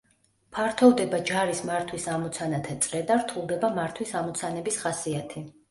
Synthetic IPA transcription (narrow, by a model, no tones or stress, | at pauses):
pʰaɾt̪ʰɔvd̪ɛbad͡ʒaɾismaɾt̪ʰwisamɔt̪sʰanat̪ʰat̪sʼɾɛd̪aɾt̪ʰulˠd̪ɛbamaɾt̪ʰwisamɔt̪sʰanɛbisχasiat̪ʰi